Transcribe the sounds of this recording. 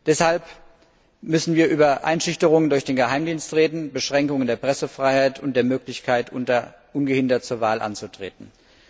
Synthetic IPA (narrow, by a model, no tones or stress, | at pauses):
d̥ɛshalp | mʏsn̩viːɐʔyːbɐʔa̰ɪnʃʏçtəʁʊŋəndʊɐçd̥eːnɡəhaɪmdiːnstʁeːdn̩bəʃʁ̥ɛŋkʊŋəndeːɐpʁ̥ɛsəfʁ̥aɪhaɪtʰʊnt̚d̥eːɐmøːklɪçkʰaɪtʔʊɐ | ʔʊnɡəhɪndɐt̚t͡suːɐvaːlʔa̰nt͡sutʁ̥ḛːtn̩